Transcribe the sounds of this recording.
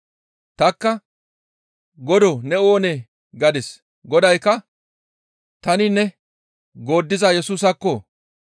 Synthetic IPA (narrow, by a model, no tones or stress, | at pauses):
t̪ɐkːɐ | ɡɔd̪ɔnɛoːne | ɡɐd̪ɪs | ɡɔd̪ɐjkːɐ | t̪ɐnɪnɛ | ɡo̞ːd̪ːɪzɐjɛsuːs̬ɐkːɔ